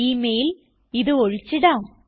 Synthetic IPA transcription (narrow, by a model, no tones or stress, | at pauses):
iːmejil | iðɨoɻit͡ɕːiɽaː